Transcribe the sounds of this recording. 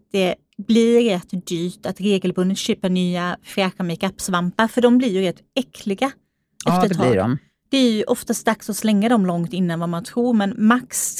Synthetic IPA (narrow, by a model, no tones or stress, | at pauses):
d̪̥ɛ | blɪɾɛt̪ːd̪yːʈ̪at̪ɾeːɡəlbɵnd̪ət̪ɕøːpəɾɳyːafɛɧamɪkapːsvampaɾfœɖɔmblɪɾjɵɾɛt̪ːɛkʰlɪɡa | ɛft̪ətʰɑːɡ̰m | d̪̥ɛæɾjɵʔɔft̪ast̪d̪aksɔslɛŋːad̪ɔmlɔŋt̪ɪnːanvamant̪ʰɾuːɾmɛnmaks